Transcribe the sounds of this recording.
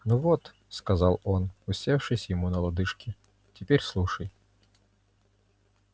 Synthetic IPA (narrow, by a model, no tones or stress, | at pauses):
nuvot̪ | skɐzɑlˠonʊsʲefʂɨsʲjɪmunəlˠɐd̪ɨʂkʲɪ | tʲɪpʲeɾʲslˠuʂəj